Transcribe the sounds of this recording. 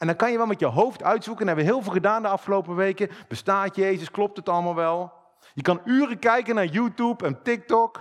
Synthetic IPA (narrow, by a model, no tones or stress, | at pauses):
ʔɛndɑŋkɑnjəʋɛlˠmɛtjəɦowftœɥtsukənɦɛbəʋəɦɪːlˠvɪːlˠχədaːndəɑfχəlowpəʋejkəb̥əstaːtjejzəsklɔp̚tətɑləmaːlˠʋɛlˠ | jəkɑnyːrəkɛjkənaːɹjuːtupɛntɪk̚tɔk